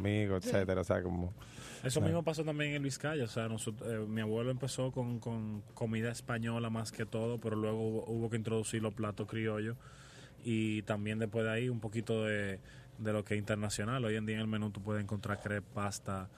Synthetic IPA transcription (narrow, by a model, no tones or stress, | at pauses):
miɣoet̪set̪eɾaosḛa̰komo | e̞s̬o̞mmismo̞paso̞t̪ambje̞ŋeelβiskaʝooseanosot̪ɾemiaβwe̞loe̞mpe̞so̞ko̞ŋko̞ŋko̞miðaespaɲo̞lamaske̞t̪o̞ðo̞pe̞ɾo̞lwe̞ɣo̞uβoʔuβo̞k̬e̞int̪̬ɾo̞ðusiɾloplat̪okɾio̞ʝo̞ | it̪ambje̞nd̪epwe̞zðeaiumpo̞kit̪o̞ðe̞ | d̪e̞lo̞keeint̪e̞ɾnasjo̞nalo̞je̞nd̪iaeŋe̞lmẽnut̪up̬we̞ðeeŋko̞nt̪ɾaɾkɾeepast̪a